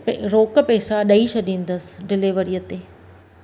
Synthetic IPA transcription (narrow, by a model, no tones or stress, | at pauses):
ɾoːkpɛːsaɗɐiʃɐɗĩːnd̪əsɪ̥ɖɪlɪʋəɾijət̪eː